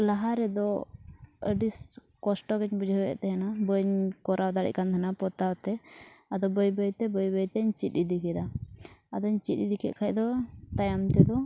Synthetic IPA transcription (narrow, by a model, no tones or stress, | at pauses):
laɦaɾɛd̪ɔ | ə̰ɖis | kɔsʈɔkɛt͡ʃbid͡ʒʱɔwɛ̰ʔt̪ɛɦɛnabəɲkɔɾʔawd̪aɽɛ̰ʔ̚kant̪ʰanapɔt̪awt̪ɛad̪ɔbəjbəjt̪ɛbəjbəjt̪ɛɲt͡ʃit̪̚ˀid̪ikɛd̪aad̪ɔɲt͡ʃit̪̚id̪ikɛ̰ʔkʰac̚d̪ɔt̪ajamt̪ɛd̪ɔ